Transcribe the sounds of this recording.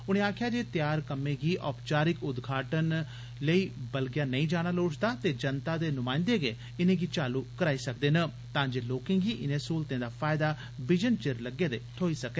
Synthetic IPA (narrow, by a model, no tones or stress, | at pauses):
ʊnẽːaːkʰjaːd͡ʒeːt̪jaːɾkəmẽːɡiːʔɔːpt͡ʃaːɾɪkʊd̪ɡʱaːʈən | ləiːbəlɡɪjaːnəĩːd͡ʒaːɽ̃aːloːt͡ʃd̪aːt̪eːd͡ʒənt̪aːd̪eːnʊmãːɪ̃nd̪eːɡeː | ɪnẽːɡiːt͡ʃaːluːkəɾaːiːsək̚d̪eːnə | t̪ãːd͡ʒeːloːkẽːɡiːʔɪnẽːsuːlt̪ẽːd̪aːpʰaːɪd̪aː | bɪd͡ʒənt͡ʃɪɾləɡeːd̪eːt̪ʰoːiːsəkeː